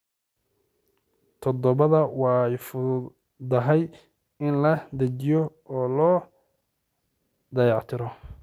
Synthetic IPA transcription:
t̪ʰɔd̪ɔβɐðɐwɑjfʊ | d̪ɐɦɛj | ɪnlɐd̪ɐt͡ʃɪjɔ | ɔːlɔː | d̪ɐjɑʕt̪ʰɪɾɔ

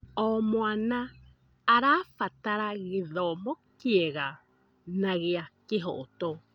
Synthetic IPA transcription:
omoanaː | ɾafat̪aɾaɣiðomokieɣa | naɣiakeɦoʔot̪o

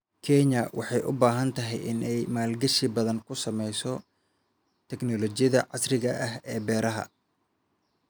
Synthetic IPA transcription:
kʰɛɲɐwɑħɑjʔʊ̰baːɦɐnt̪ʰɐɦɛjʔɪnɛjmaːlɡɐʃibɐðɐŋkʰʊsɐmɛjsɔ | t̪ʰɛɡnɔlɔt͡ʃɪjɐðɐʕɑsrɪɣɐʔɐɦɛːbɛːɾɐɦɐ̰

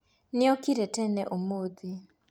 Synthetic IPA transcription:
nɪɔkiɾɛtɛnɛʔomod̪i

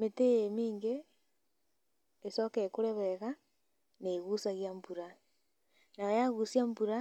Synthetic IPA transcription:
meteemiːŋɡe | sokekoɾeβɛɣa | neɣusaɣjambuɾa | najojaɣusjambuɾa

